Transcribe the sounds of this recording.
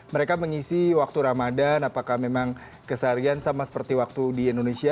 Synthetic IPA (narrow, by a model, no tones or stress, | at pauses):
məɾekaməŋisiwak̚t̪uɾamadanapakahmemaŋ | kəsaɾiansamasə̥pərt̪iwak̚t̪udiendonesia